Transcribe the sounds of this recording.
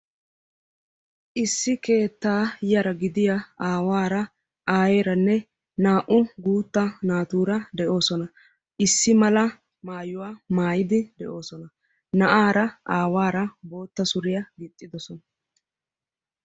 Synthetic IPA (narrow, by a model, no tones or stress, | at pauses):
ʔɪsːɪke̞ːt̪ːaːjɐɾɐɡɪd̪ɪjɐaːwaːɾɐ | aːjeːɾɐnːɛ | naːʔʊɡuːt̪ːɐnaːt̪uːɾɐd̪ɛʔo̞ːsɔnɐ | ʔɪsːɪmɐlɐ | maːjʊwaːmaːjɪd̪ɪd̪ɛʔo̞ːsɔnɐ | nɐʔaːɾɐaːwaːɾɐbo̞ːt̪ːɐsʊɾɪjɐɡɪt̪ʼːɪd̪ɔsɔnɐ